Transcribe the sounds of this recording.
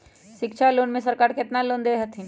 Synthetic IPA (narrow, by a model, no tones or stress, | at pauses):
ʃɪkt͡ʃʰaloːnmẽsəɾkaːɾkɪt̪naloːnd̪eɦət̪ʰĩ